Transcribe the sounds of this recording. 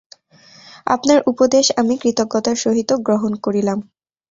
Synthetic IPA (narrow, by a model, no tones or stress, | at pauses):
a̰pnaɾʔupod̪eʃamikɾit̪oɡːɔt̪aɾʃoɦit̪oɡɾoɦonkoɾilam